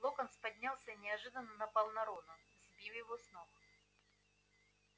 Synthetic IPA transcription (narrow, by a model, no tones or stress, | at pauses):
lˠokənspɐdʲnʲalˠsʲənʲɪɐʐɨd̪ənːənɐpɐlˠnɐɾonʊ | zʲbʲiwjɪvosnox